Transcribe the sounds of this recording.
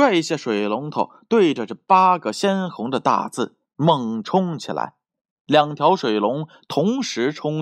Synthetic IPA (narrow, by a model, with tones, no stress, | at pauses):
wa˥˧ɪi˧˥ɕjɛ˥˩ʂwe˨˩ɪlʊ˧˥ŋt̪ʰo˨˩ʊt̪we˥˩ɪʈ͡ʂə˩ʈ͡ʂɤ˥˩pa˥ɡə˨ɕjɛ˥nxʊ˧˥ŋd̪ə˧t̪a̰˥˧t͡sɹ̩˥˩ | mɤ˥˩ŋʈ͡ʂʰʊ˥ŋt͡ɕʰi˨˩la̰˧˥ɪ | ljɑ˨˩ŋt̪ʰjɑ˧˥ʊʂwe˨˩ɪlʊ˧˥ŋ | t̪ʰʊ˧˥ŋʂɻ̩˧˥ʈ͡ʂʰʊ˥ŋ